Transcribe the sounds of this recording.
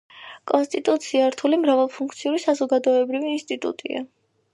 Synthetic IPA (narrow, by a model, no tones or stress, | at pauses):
kʼɔnst̪ʼit̪ʼut̪sʰiaɾt̪ʰulimɾavalˠpʰunŋk̚ʰt̪sʰiuɾisazɔɡad̪ɔɛbɾiviːnst̪ʼit̪ʼṵt̪ʼḭa̰